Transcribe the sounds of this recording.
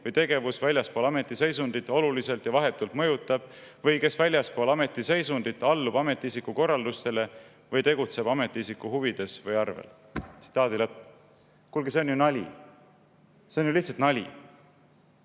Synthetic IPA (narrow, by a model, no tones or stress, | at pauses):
vɤjt̪e̞ɡe̞vusvælʲjɑspolɑme̞t̪ˑːise̞jsund̪̥it̪ːˑo̞lulise̞lt̪jɑvɑɦe̞t̪ːˑult̪mɤjut̪ːˑɑb̥̚ | vɤjke̞svælʲjɑspo̞ːlɑme̞t̪ːˑise̞jsund̪̥it̪ːˑɑlːubɑme̞t̪ːˑiisikːˑuko̞rːɑld̪ust̪e̞le̞ | vɤjt̪e̞ɡ̥ut̪se̞b̥ɑme̞t̪ːˑiisikːuɦuvid̪̥e̞svɤjɑrvḛl | t̪si̥t̪ːˑɑːd̪ilɤpː | kulɡ̥ese̞onjunɑlʲḭ | seonjuliht̪sɑlt̪nɑlʲi